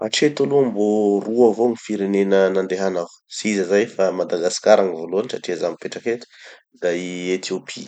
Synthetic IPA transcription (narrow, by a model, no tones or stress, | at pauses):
a̰ʈ͡ʂet̪alumboruavoŋifiɾenenənand̪eɦanaw | siizəzajfamad̪aɡasi̥kaɾaŋivoluanisaʈ͡ʂiazamipeʈ͡ʂaket̪u̥ | d̪aiet̪ʰiopʰi